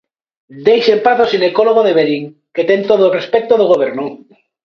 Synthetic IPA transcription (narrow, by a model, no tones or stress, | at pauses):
d̪ejsempaθosine̞koloɣ̞oðe̞βeɾiŋ | ket̪ent̪oðorespek̚t̪oðoɣoβ̞eɾno